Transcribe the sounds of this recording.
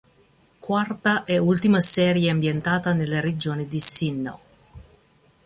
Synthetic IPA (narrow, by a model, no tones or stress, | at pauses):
kwart̪aʔɛult̪imasɛːɾjeambjent̪aːt̪anelːeɾed͡ʒoːnid̪isinːo̰